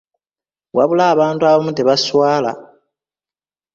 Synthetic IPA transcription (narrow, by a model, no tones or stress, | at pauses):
waβulaːβaːntuaβamuteβaswaːla̰